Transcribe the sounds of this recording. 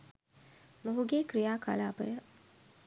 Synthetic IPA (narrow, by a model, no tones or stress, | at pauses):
moɦuɡeːkɾijaːka̰laːpə̰jə